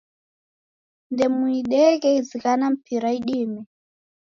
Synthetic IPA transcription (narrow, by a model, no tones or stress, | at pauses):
ndɛmuiɗɛɣɛizikanam̩pʰiɾaiɗimɛ